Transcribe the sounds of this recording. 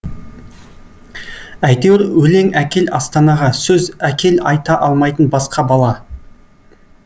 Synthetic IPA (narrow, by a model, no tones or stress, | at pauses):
æjt̪eɾwɵle̞ŋækʲe̞lɑst̪ɑnɑʁɑsɵzækʲʰe̞lɑjt̪ɑʔɑlˠmɑjt̪ənbɑsqɑbɑlˠɑ